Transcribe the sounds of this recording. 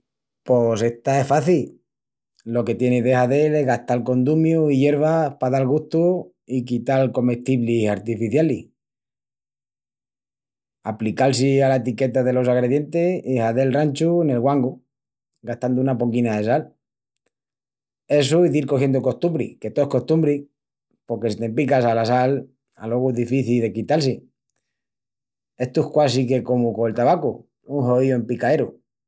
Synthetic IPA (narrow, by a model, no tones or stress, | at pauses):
po̞se̞ht̪ae̞faθil | lo̞ke̞t̪je̞neðehaðe̞leɦɣaht̪alko̞nd̪umjuiʝe̞ɾβ̞apaðalɣuht̪u | ikit̪alko̞me̞ht̪iβlisaɾt̪ifiθjalih | aplikals̬ialat̪ike̞t̪aðe̞lo̞saɣɾe̞ðje̞nt̪e̞ihaðe̞lrant͡ʃuene̞lɣwaŋɡu | ɡaht̪and̪ounapoŋkinaðe̞s̬al | e̞suiðiɾko̞xje̞nd̪oko̞st̪umbɾḭke̞t̪oehko̞ht̪umbɾi | po̞ɾke̞sit̪e̞mp̬ikas̬alasal | a̰lo̞ɣueðifiθilðe̞kit̪als̬i | e̞ht̪uehkwasike̞ko̞mukoelt̪aβaku | uŋxo̞ðioempikae̞ɾu